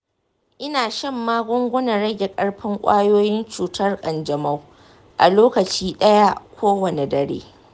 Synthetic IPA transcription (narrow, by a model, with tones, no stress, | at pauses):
ʔɪ˦naː˨ʃɐ˦˨mːaː˦ɡʷʊ˦ŋɡʷʊ˦nɐ˨ɽɐ˦ɡʲe˨kʼɐ˦ɽɸɪ˦ŋkʷʼa̰ː˦joː˦jɪ˦nt͡ʃuː˨tɐ˦rkʼɐ˨nd͡ʒɐ˨mɐ˦w | ʔa̰˨loː˦kɐ˨t͡ʃiː˦ɗɐ˦ja˦kʷʰoː˦wɐ˨ne˨dɐ˨ɽḛː˦